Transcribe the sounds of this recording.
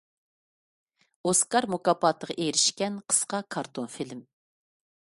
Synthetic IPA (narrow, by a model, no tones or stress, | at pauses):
oskɑɾmukɑpʰɑt̪əʁɑʔeɾɪʃkʲɛnqʰə̥sqɑkʰɑɾt̪ʰonfilm